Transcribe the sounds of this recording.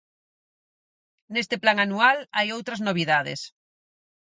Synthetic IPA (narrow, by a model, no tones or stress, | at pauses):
nest̪eplaŋanualajowt̪ɾaznoβ̞iðaðḛs